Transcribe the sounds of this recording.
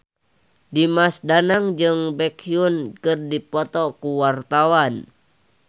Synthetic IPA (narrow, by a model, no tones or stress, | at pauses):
dimasdanaŋd͡ʒɨŋbɛkiunkɨrdipɔt̪ɔkuwart̪awan